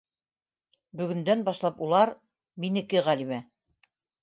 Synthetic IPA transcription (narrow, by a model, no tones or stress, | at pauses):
bɵ̆ɡɵ̆nd̪ænbɑʃlˠɑpulˠɑɾ | minɘ̆kɘʁælimæ